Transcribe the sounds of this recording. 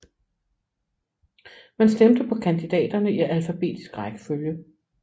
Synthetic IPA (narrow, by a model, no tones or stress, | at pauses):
mænsd̥emd̥əpʰɒ̽kʰænd̥id̥ɛ̰ːd̥ɐnəiælfæb̥e̝̰ːd̥i̥sɡ̥ʁaɡ̥ə̥føljə